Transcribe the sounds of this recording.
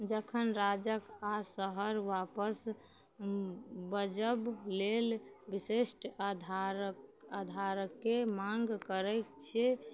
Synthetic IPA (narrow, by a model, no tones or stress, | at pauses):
d͡ʒəkʰənɾad͡ʒəkasəɦəɾʋapəs | bəd͡ʒəblelbisesʈd̪ʱaɾad̪ʱaɾəkːemaŋɡkəɾɛt̪t͡ʃʰe